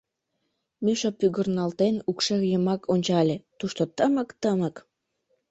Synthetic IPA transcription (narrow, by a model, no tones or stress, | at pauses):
myʃopyɣərnɑlt̪enukʃeɣjəmɑkʰonʲt͡ɕɑlʲet̪uʃt̪ot̪əməkt̪əmək